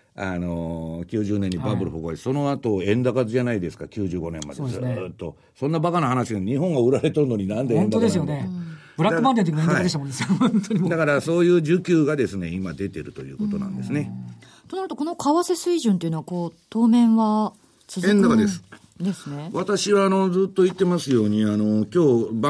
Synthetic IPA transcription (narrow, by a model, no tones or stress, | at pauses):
ano̞kʲɨːʑɨːnẽ̞ɲ̟ːibabɯ̟ɾɯ̟ɸɯɡoiso̞no̞at̪o̞ẽ̞nd̪akazɨʑanaid̪e̞sɨ̥kakʲɨːʑɨːɡo̞nẽ̞mːa̰d̪ezɨːt̪ːo̞ | sõ̞nːabakanahanaɕiɡaɲ̟iɦõ̞ŋɡaɯ̟ɾaɾe̞t̪oɾɯ̟no̞ɲ̟inãnd̪eẽnd̪od̪esɨjone | bɾak̪ɯmãnt̪et̪ekiẽaaadeɕt̪amond̪eshõnt̪ʰoɲid̪akaɾaso̞ːjɯːʑɨkʲɨːɡad̪e̞sɨne̞imad̪e̞t̪e̞ɾɯ̟t̪o̞̰jɯ̟ːkot̪o̞nã̰nd̪e̞sɨne̞ | t̪o̞naɾɯ̟t̪oko̞no̞kʰaβase̞sɨiʑɨ̃nt̪e̞iɯ̟noako̞ːt̪o̞ːmẽ̞ɰ̃βa | t͡sɨzẽnd̪akad̪e̞sɨ̥ | d̪e̞sɨne̞βat̪aɕiβaːno̞d͡zɨːt̪ːo̞it̪ːe̞masɨjo̞ːɲ̟iano̞kʲo̞ːb